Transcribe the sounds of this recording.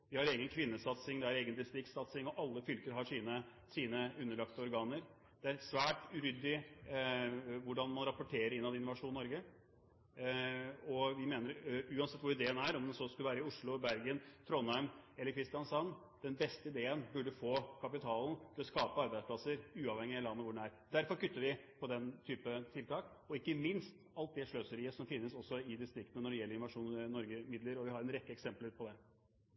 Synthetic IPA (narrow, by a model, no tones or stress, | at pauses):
ʋɪhɑɾeːɡənkʰʋɪnːəsɑt̪sɪŋd̪ɛæɾeːɡənd̪ɪst̪ɾɪksɑt̪sɪŋɔʔɑlːəfʏlkəɾɦɑʂiːnə | siːnəʉnːəɭɑkt̪əɔɾɡɑːnəɾ | d̪̥ɛæɾsʋæːʈʉɾʏd̪ɪ | ʋʊɖɑnmɑnɾɑpʊʈʰeːɾəɾɪnːɑʋd̪ɛɪnʊʋɑʂuːnːɔɾɡə | ɔʋɪmeːnəɾʉːɑnsɛt̪ːʋʊɾɪd̪eːənæɾɔmd̪ɛnsɔskʉlʋæːɾəɪʊʂɭʊbæɾɡənt̪ʰɾɔnæʏmɛlːəɾkʰɾɪst̪ɪjɑnsɑnː | d̪̥ɛnbɛst̪əɪd̪eːənbʉɖːəfoːkʰɑpɪt̪ʰɑːlnt̪ʰɪlɔskɑːpəɑɾbæɪspʰlɑsəɾʉːɑʋhɛŋːɪɑlɑnːəʋʊɖɛnæɾd̪æɾfɔɾkʏt̪ːəɾʋɪpʰɔd̪ɛnt̪ʰyːpət̪ʰɪlt̪ʰɑːk | ɔɪkːəmɪnst̪ | ɑlt̪̚d̪ɛʂɭøːsəɾɪsɔmfɪnːəsɔsːɔɪd̪ɪst̪ɾɪkt̪nənɔɖɛjɛlːəɾɪnʋɑʂuːnnːɔɾɡəmɪd̪ləɾɔʋɪhɑɾɛnɾɛkːəɛksɛmpəlʉpʰɔd̪ɛ